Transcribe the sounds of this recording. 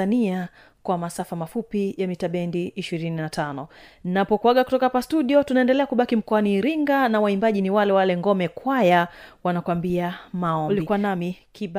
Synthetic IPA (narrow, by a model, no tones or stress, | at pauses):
ania | kwamasafamafupijamitaɓɛndiʔːʃiɾininatʰanɔnapɔkuwaɠakutɔkahapastuɗiɔtunaɛndɛlɛakuɓakim̩kɔaniːɾiŋɡanawaimbaʄiniwalɛwalɛŋɡɔmɛkwajawanakwambiamaɔlikuanamikiɓ